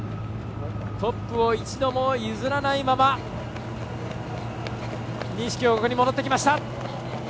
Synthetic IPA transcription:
t̪o̞pːɯ̟o̞it͡ɕid̪o̞mo̞izɨɾanaimama | ɲʲĩɕi̥kʲioːkokɯ̟ɲimo̞d̪o̞t̪ːekʲimaɕi̥t̪a

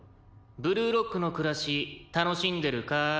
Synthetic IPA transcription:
bɯ̟ɾɯ̟ːɾo̞kːɯ̟no̞kɯ̟ɾaɕit̪ano̞ɕĩnd̪e̞ɾɯ̟ka

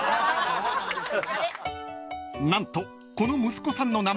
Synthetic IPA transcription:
nãnt̪o̞ | konomɯ̟sɨ̥ko̞sãnːo̞nam

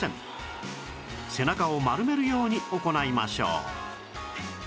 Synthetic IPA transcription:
ḛ̃m | se̞nakaomaɾɯ̟me̞ɾɯ̟jo̞ːɲ̟io̞ko̞naimaɕo̰ː

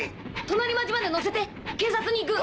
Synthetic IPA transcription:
t̪o̞naɾʲimad͡ʑimad̪e̞no̞s̬e̞t̪e̞ | ke̞ːsat͡sɨɲ̟iːk̬ɯ̟

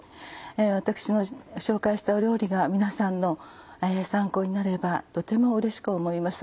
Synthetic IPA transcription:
eβat̪akɯ̥ɕino̞ɕo̞ːkaiɕi̥t̪aoɾʲo̞ːɾʲiɡamʲinasãnːo̞esãŋkoːɲ̟inaɾe̞bat̪o̞t̪e̞mo̞ɯ̟ɾe̞ɕi̥kɯ̟omo̞imasɨ̥

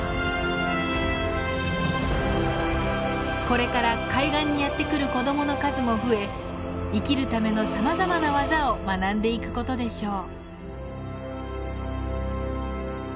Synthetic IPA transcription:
ko̞ɾe̞kaɾakaiɡãɲ̟ːijat̪ːe̞kɯ̟ɾɯ̟ko̞d̪o̞mo̞no̞kazɨmo̞ɸɯ̟e̞ | ikʲiɾɯ̟t̪ame̞no̞samazamanaβazao̞manãnd̪e̞ikɯ̟̥ko̞t̪o̞d̪e̞ɕo̞ː

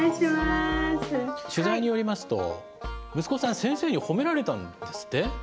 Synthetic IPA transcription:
ɕimasɨɕɨzaiɲ̟ijo̞ɾʲimasɨ̥t̪o̞̰ | mɯ̟sɨ̥ko̞sãsẽ̞ɰ̃se̞ːɲ̟iho̞me̞ɾaɾe̞t̪ãnd̪e̞sɨ̥t̪ːe̞

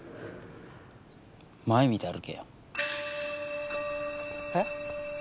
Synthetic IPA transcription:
maemʲit̪eaɾɯ̟kḛjo | he

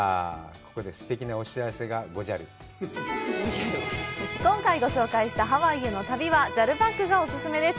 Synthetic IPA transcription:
ko̞̥ko̞d̪e̞sɨ̥t̪e̞kʲinaoɕiaseɡaɡo̞ʑaɾɯ̟ | oaɾkõ̞ŋkaiɡo̞ɕo̞ːkaiɕi̥t̪aɦaβaiɯno̞t̪abʲiβad͡ʑaɾɯ̟bakːɯ̟ɡao̞sɨsɨme̞d̪e̞sɨ̥

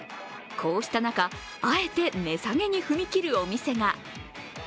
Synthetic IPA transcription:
kʰo̞ːɕi̥t̪anaka | ae̞t̪e̞ne̞saŋe̞ɲ̟iɸɯ̟mʲikʲiɾɯ̟o̞mʲise̞ŋa

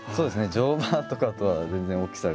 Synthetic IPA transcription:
soːd̪e̞sɨne̞d͡ʑo̞ːbãt̪o̞kat̪o̞βazẽ̞nd͡zẽo̞kʲi̥saɾ

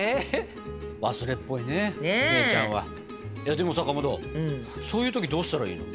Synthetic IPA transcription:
e | βasɨɾe̞pːo̞ineiat͡ɕã̰ɰ̃βa̰ | jad̪e̞mo̞sakamod̪õ̰ːso̞ːjɯ̟t̪o̞kʲid̪o̞ːɕi̥t̪aɾaḭːno

